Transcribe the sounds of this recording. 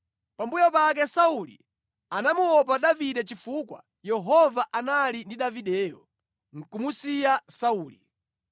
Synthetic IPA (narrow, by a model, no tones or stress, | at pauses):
pambujɔpak̬ɛsaulḭ | anamuwɔpaɗaviɗɛt͡ʃifukwa̰ | jɛɦɔvaʔanalindiɗaviɗɛːjɔ̰ | ŋ̩kumusijasauːli